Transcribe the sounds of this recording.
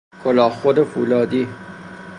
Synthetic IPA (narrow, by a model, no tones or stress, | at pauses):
kʰolɑːxod̪efuːlɑːd̪i